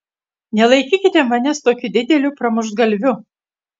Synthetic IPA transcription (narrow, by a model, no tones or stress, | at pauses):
nʲɛlˠɐɪkʲiːkʲɪt̪ʲɛmɐnʲɛst̪oːkʲud̪ʲɪd̪ʲɛlʲupɾɐmʊʒɡɐlʲʋʲʊ